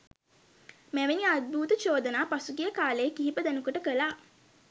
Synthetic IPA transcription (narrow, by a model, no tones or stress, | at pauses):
mæʋeniad̪̚bʱuːt̪ət͡ʃoːd̪ənaːpasuɡijəkaːlejːkiɦipəd̪ænukuʈəkəlaː